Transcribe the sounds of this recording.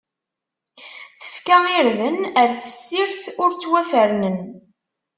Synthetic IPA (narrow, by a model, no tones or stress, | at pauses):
θə̥fkæɪɾðənəɾθə̥sːɪɾθʊɾt͡sːwæfəɾnən